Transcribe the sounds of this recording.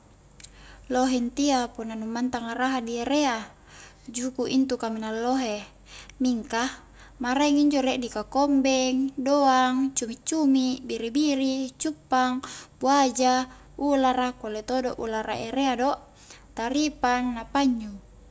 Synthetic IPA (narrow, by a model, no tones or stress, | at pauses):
loɦent̪iapunːanumːant̪aŋaɾaɦadieɾea | d͡ʒukuʔint̪ukaminalːoɦe | miŋka | maɾaiŋiɲd͡ʒoleʔdikakombɛŋdoaŋt͡ʃumit͡ʃːumiʔbiɾibiɾit͡ʃupːaŋbuad͡ʒa | ulaɾakolet̪odoʔulaɾaeɾeadoʔ | t̪aɾipanːapaɲːu